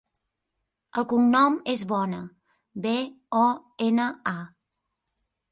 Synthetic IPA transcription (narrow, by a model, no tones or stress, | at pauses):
əlˠkuŋnɔmezβɔnə | be | ɔ | enəa